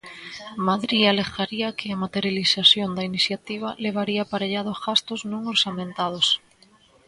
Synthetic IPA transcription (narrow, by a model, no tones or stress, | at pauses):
maðɾiale̞xaɾiakʰeamat̪eɾjalisasjond̪ainiθjat̪iβ̞aleβ̞aɾiapaɾeʎaðozɣast̪oznõŋoɾsamẽnt̪að̞os